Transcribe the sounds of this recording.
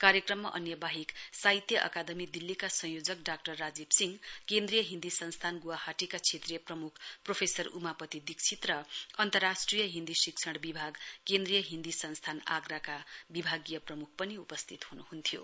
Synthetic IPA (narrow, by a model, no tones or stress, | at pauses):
kaɾjʌkrʌmːa̰ʔʌ̰njʌbaɦiksait̪jʌʔʌ̰kad̪ʌmid̪ilːikasʌ̃ŋ̃jod͡zʌkɖak̚ʈʌrːad͡zibsiŋkend̪rijʌɦind̪isʌnst̪ʰanɡuwahaʈikat͡sʰet̪rijʌprʌmukʰpropʰesʌrṵmapʌt̪id̪ikt͡sʰit̪rʌʌnt̪ʌrːasʈrijʌɦind̪isikt͡sʰʌɽbibʱaɡkend̪rijʌɦind̪isʌnst̪ʰana̰ɡrakabibʱaɡijʌprʌmuk̚ʰpʌniupʌst̪ʰit̪hunuɦunt̪ʰjo̰